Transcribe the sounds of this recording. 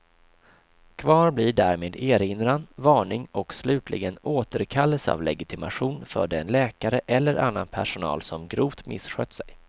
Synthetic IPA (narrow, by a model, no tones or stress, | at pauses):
kʰvɑːɾblɪɖæːɾmeːd̪eːɾɪnɾanvɑːɳɪŋɔkslʉ̟ːt̪ʰlʔɪ̰ɡənoːt̪əɾkʰalːəsa̰ːvlɛɡɪt̪ʰɪma̰ɧuːnfœ̰ːɖɛɛnlɛːkaɾəʔɛlːəɾʔa̰nːanpʰæʂʊnɑ̰ːlsɔmɡɾuːvt̪mɪ̰sɧœːt̪sɛj